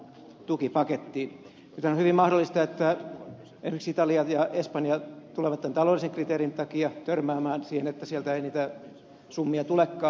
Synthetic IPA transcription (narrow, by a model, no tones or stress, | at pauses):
t̪ukipɑket̪ːiːn | nyt̪ænohyʋimmɑhdolːˑist̪ɑet̪ːæ | ḛnsiksit̪ɑliɑjɑespɑnjɑt̪uleʋɑt̪t̪ːænt̪ɑloːlːˑiseŋkrit̪eːrint̪ɑkiɑt̪ørmæːmæːnsiːhenet̪ːæsiælt̪æeiniːt̪æ | sumːiɑt̪ulekːɑː